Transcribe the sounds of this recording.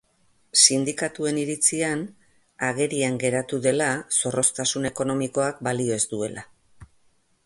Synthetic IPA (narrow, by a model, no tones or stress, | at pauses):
sind̪ikat̪ue̞niɾit͡sian | aɣ̞e̞ɾiaŋɡe̞ɾat̪uðe̞laso̞ro̞st̪asune̞ko̞no̞miko̞akbalio̞ezd̪ue̞lʔa